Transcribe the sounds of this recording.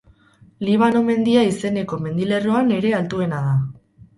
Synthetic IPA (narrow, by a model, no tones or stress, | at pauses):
liβ̞ano̞me̞nd̪iaise̞ne̞ko̞me̞nd̪ile̞ro̞ane̞ɾe̞alt̪ue̞naða